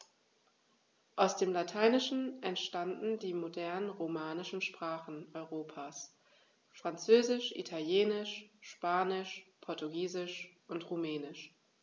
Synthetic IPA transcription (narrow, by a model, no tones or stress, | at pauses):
ʔaʊsd̥eːmlatʰaɪnɪʃn̩ʔɛntʃtandn̩diːmodɛɐnənʁomaːnɪʃn̩ʃpʁ̥aːχn̩ʔɔʏʁoːpʰaːs | fʁ̥ant͡søːzɪʃʔḭtʰaljeːnɪʃʃpaːnɪʃpʰɔɐtuɡiːzɪʃʔʊntʁumɛːnɪʃ